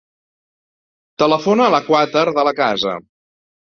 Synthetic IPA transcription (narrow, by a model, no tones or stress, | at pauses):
t̪ələfonəːləkwat̪əɾðələkazə̰